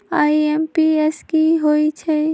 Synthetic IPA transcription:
aːiempiɛskiɦoit͡ʃʰɛ

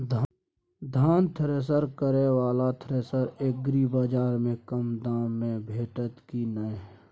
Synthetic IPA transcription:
d̪ʱ | d̪ʱaːnt̪ʰɾeːs̬əɾkəɾewaːlat̪ʰɾeːsəɾeːk̚ɡɾibaːd͡ʒaːɾmẽkəmd̪aːmːẽbʱeːʈət̪kinəe

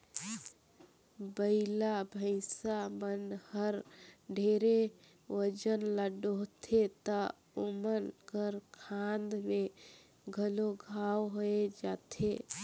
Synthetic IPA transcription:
bəɪlabʱəɪsamənhəɾɖʱeɾe | wəd͡ʒənləɖot̪ʰet̪ə | omənkəɾkʰand̪me | ɡʱəloɡʱawɦoed͡ʒat̪ʰe

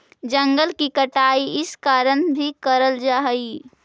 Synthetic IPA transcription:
d͡ʒə̃ŋɡəlkikəʈaːiɪskaːɾənbʱikəɾəld͡ʒaːɦi

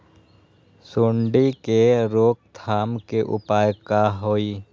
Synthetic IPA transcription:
suːɳɖikeɾoːk̚t̪ʰaːmkeʔʊ̰paːjkaɦoːiː

